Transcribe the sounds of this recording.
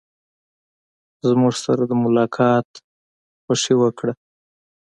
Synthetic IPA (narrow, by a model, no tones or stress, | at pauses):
zmuʐsaɾad̪əmʊlɑkʰɑt̪ | xʊʂewəkɽa